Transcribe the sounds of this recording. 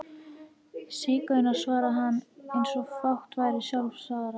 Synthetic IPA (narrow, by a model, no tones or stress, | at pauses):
sɪːkœnasvaːɾaɦanːejnsɔfawht̪vaːjɾɪsjawlfsaːɣɾa